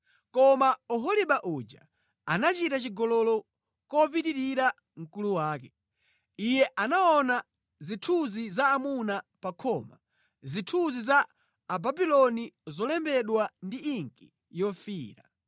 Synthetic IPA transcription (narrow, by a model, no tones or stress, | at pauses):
kɔmaɔɦɔliɓaʔud͡ʒa | anat͡ʃitat͡ʃiɡɔlɔlɔ | kɔp̬ititiɾa | ŋ̩kuluwaːkɛ | ijɛʔanaɔna | zitʰuzizaːmunapakʰɔma | zitʰuzizaː | babilɔnizɔlɛmbɛɗwandiiŋki | jɔfiːɾa̰